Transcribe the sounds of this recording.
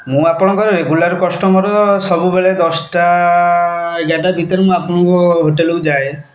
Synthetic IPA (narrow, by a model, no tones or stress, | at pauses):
mũapɔɽ̃ɔkɔɾɾeɡulaɾkɔsʈɔmɔɾɔsɔbubeɭed̪ɔsʈa | ɡaʈabʱit̪ɔɾemũapɔɽ̃ɔkɔɦoʈelowd͡ʒae